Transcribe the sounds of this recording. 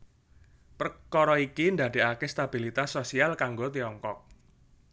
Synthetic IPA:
pərkɔɾɔikind̪a̤de̤akest̪ab̥ilit̪asːosialkaŋɡot̪iɔŋkɔk̚

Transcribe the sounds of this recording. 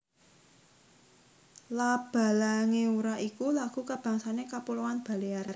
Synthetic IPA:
lab̥a̤laŋeuɾaʔikulaɡ̥ṳkab̥a̤ŋsanekapulowanb̥a̤leaɾr

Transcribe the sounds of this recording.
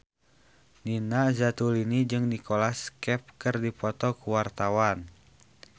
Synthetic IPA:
ninazat̪ulinid͡ʒɨŋnikɔlaskɛp̚kɨrdipɔt̪ɔkuwart̪awan

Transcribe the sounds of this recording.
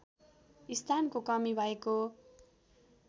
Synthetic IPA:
ist̪ʰankokʌmibʱʌeko

